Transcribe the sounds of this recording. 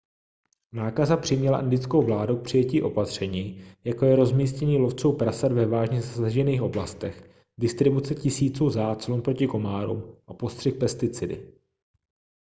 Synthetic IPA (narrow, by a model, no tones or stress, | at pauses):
naːkazapr̝̥ɪmɲɛla̰ʔand̪ɪt͡sko̞wvlaːduk̚pr̝̥ɪjɛciːʔo̞pat̪r̝̥ɛɲiːjakojɛɾo̞zmiːscɛɲiːlo̞ft͡suwpɾasad̪vɛvaːʒɲɛzasaʒɛniːxʔo̞blast̪ɛx | dɪst̪ɾɪbut͡sɛcɪsiːt͡suːzaːt̪slunpɾo̞cɪko̞maːɾṵmʔapo̞st̪r̝̥ɪxpɛst̪ɪt͡sɪdɪ̰